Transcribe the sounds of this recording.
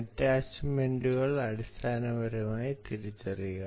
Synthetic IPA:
ɐtːaːt͡ɕmeɳɖuɣɐɭɐɽist̪ʰaːnɐʋɐɾumaːjit̪iɾit͡ɕːɐriɣɐ

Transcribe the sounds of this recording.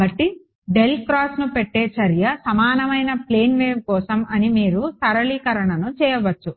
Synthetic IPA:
ɐʈːi | ɖe̞lkɾaːsnupeʈːeːt͡ʃɐɾjɐsɐmaːnɐmɐjnɐpleːnʋeːmkɔːsɐmɐnimiːɾut̪ɐɾɐɭiːkɐɾɐɳɐnut͡ʃɛːjɐʋɐt͡ʃːu

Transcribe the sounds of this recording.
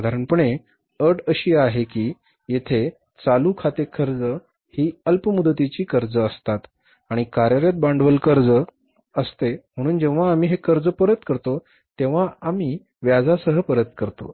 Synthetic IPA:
d̪ʱaɾəɳpəɳe | əʈəɕiːaɦekiː | jet̪ʰe | t͡salukʰat̪ekʰəɾd͡zə | hiːəlpəmud̪ət̪it͡ɕiːkəɾd͡zəəst̪at̪ | aɽ̃ikaɾjəɾjat̪̚bãɳɖʋəlkəɾd͡zə | əst̪em̤əɽ̃uːnd͡ʑeʋ̤aːmiːɦekəɾd͡zəpəɾət̪kəɾt̪o | t̪eʋ̤aamiː | ʋjad͡zasəɦəpəɾət̪kəɾt̪o̰

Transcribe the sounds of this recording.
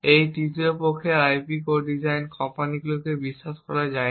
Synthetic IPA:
ejʈitepokʰːeajpikoɖid͡ʑajnkɔmpaniɡulokebiʃːaʃkɔ̰ɾad͡ʑae

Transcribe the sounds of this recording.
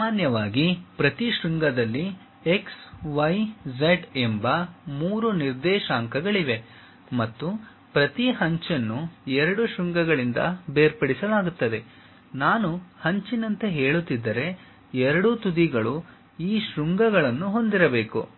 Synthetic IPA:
aːnjɐʋaːɡipɾɐt̪iʃɾuŋɡɐd̪ɐlːi | eksʋɐjd͡ʒeʈembɐmuːɾuniɾd̪ɛːʃaːŋkɐɡɐɭiʋe̞ | mɐt̪ːu | pɾɐt̪iɦɐɲt͡ʃɐnːuɛɾɐɽuʃɾuŋɡɐɡɐɭind̪ɐ̰beːɾpɐɽisɐlaːɡut̪ːɐd̪e̞ | naːnuhɐɲt͡ʃinɐnt̪e̞ɦe̞ːɭut̪ːid̪ːɐɾe̞ | ɛɾɐɽut̪ud̪iɡɐɭu | iːʃɾuŋɡɐɡɐɭɐnːuɦo̞nd̪iɾɐbe̞ːkṵ

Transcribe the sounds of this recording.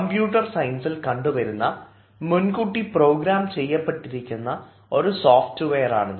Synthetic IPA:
ɐmbjuːʈːɐrsɐjnsilkɐɳɖuʋɐɾunːɐ | munkuʈːipro̞ːɡɾaːmt͡ɕe̞jːɐpːeʈːiɾikʲːunːɐ | o̞ɾusoːfʈɨʋejɐra̰ːɳɐ

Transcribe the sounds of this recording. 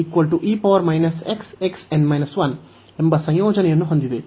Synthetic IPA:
ikʋɐlʈuʔiːpɐʋɐɾmɐjnɐsekseksɛ̃ɳɖmajnɐsʋɐn | embɐsɐ̃joːd͡ʒɐnɛjɐnːuɦond̪id̪e

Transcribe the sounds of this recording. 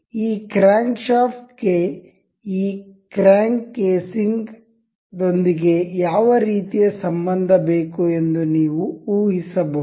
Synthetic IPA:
iːkɾaːŋkʃaːft̪ɡe̞ | iːkɾaːŋɡkeːsiŋɡ | d̪o̞nd̪iɡe̞jaːʋɐɾiːt̪ijɐsɐmbɐnd̪ʱɐbe̞ːkue̞nd̪uniːʋuuːɦisɐbɐ

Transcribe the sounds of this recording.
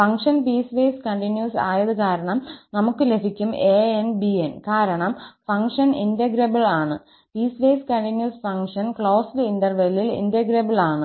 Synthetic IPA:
fɐŋkʂɐnpiːsʋeːskɐɳʈinjuːsa̰ːjɐðɨkaːɾɐɳɐmnɐmukːɨle̞bʱikʲːumeːenbienkaːɾɐɳɐmfɐŋʂɐnḭndɐɡiɾɐbɐɭaːɳɨ | piːsʋeːskɐɳʈinjuːsfɐŋʂɐnkɭo̞ːslɨinɖɐrʋɐjlilḭndɐɡɾɐbɐɭaːɳɨ

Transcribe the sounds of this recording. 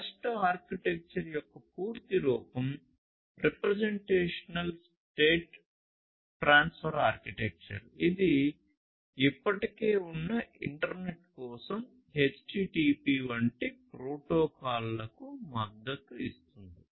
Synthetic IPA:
kɐsʈɐaːɾkiʈek̚t͡ʃɐɾjɔkːɐpuːɾt̪iɾɔːpɐm | ɾepɾeɐzeɳʈeːʂɐnɐls | ʈeːʈ | ʈɾaːnspʰɐɾaːɾkiʈek̚t͡ʃɐ̰ɾid̪i | ipːɐʈike̞ːunːɐiɳʈɐɾne̞ʈkɔːsɐm | ɦet͡ʃʈiːʈiːpiːʋɐɳʈipɾoːʈoːkaːlːɐkumɐd̪ɐt̪uist̪und̪i

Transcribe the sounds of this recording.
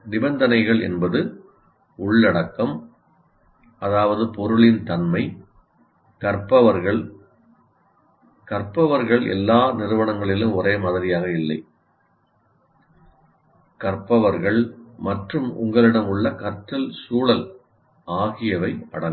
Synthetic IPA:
nɪbɐnd̪ɐnɐɪɣɐɭɛ̰nbɐðɯ | ʊɭːɐɽɐkːɐm | ɐðaːʋɐðɯpɔɾɯɭɪnt̪ɐnmɐɪ | kɐrpɐʋɐɾɣɐɭ | kɐɾpɐʋɐɾɣɐɭɛ̰lːaːnɪɾɯʋɐɳɐŋɡɐɭɪlɯmʊreːmɐðɐðɪjaːɣɐɪlːɐɪ | kɐrpɐʋɐɾɣɐɭmɐʈrɯmʊ̰ŋɡɐɭɪɽɐmʊɭːɐkɐɾtːɐlsuːɭɐl | aːɣɪjɐʋɐɪɐ̰ɽɐŋ

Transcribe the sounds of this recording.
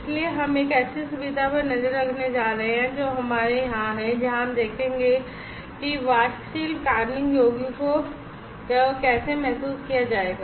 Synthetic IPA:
ɪslieɦɐmeːkɛːsʰisʊbid̪ʱapɐɾnɐzəɾːɐkʰned͡ʒaːɾɐɦeɦɛ̃d͡ʒoːɦɐmaːɾeɦãɦɛ̃d͡ʒɐɦãɦɐmd̪eːkʰẽːŋɡe | kiʋaːʃʃiːlkaːɾnɪ̃ŋɡjoːɡiko | kɛːsemɛɦsuːskijad͡ʒaːeːɡaː

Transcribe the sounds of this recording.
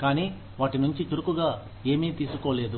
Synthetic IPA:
kaːniː | ʋaːʈinuɲt͡ʃit͡ʃuɾukuɡaː | e̞ːmiːt̪iːsukoːle̞ːd̪u

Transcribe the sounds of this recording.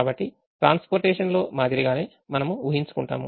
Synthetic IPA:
aːbɐʈːi | ʈɾaːnspoːɾʈeːʂɐnlo̞ːmaːd̪iɾiɡaːne̞ː | mɐnɐmuuɦiɲt͡ʃu̥kuɳʈa̰ːmṵ

